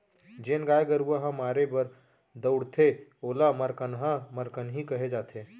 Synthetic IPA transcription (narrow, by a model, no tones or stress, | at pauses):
d͡ʒeːnɡaːjɡəɾuaɦãmaːɾebəɾ | d̪əʊɽt̪ʰeoːlaməɾkənɦãməɾkənɦikɐɦed͡ʒaːt̪ʰeː